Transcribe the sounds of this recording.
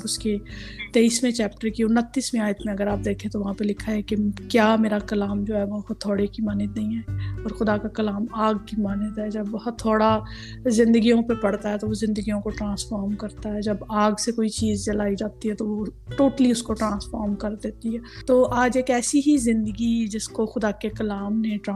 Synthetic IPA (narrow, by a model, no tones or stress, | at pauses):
bʊsket̪eːismẽt͡ʃɛːpʈəɾkiʊnːət̪ːiːsmẽaːjət̪mẽɐɡəɾaːp̚d̪eːkʰẽt̪oʋɐɦãpelɪkʰaɦɛ̃kekjaːmeːɾakɐlaːmd͡ʒoːɦɛːʋot̪ʰːoːɽekimaːned̪ɐĩɦɛːɔːɾxʊd̪akakɐlaːmaːɡ̚kimaːned̪ɦɛd͡ʒɐbʋɐɦʊt̪ʰːoːɽa | zɪ̃nd̪əɡijõpepɐɽt̪aɦɛt̪oʋozɪ̃nd̪əɡijõkoʈɾãːsfaːɾmkɐɾt̪aɦɛd͡ʒɐbaːɡsekoːit͡ʃiːzt͡ʃɐlaːid͡ʒaːt̪iɦɛt̪oʋo | ʈoːʈəliʊskoʈɾãːsfaːɾmkɐɾd̪eːt̪iɦɛːt̪oːʔaːd͡ʒeːkɛːsiɦizɪ̃nd̪əɡid͡ʒɪskoxʊd̪akekɐlaːmneʈɾãː